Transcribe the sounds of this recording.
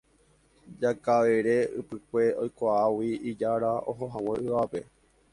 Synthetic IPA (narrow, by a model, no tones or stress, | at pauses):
d͡ʒakaʋeɾe̞ɨ̰pɨkʷe̞ojkʷaawiid͡ʒaɾao̞̰ɦõɦãw̃ẽɨʋape̞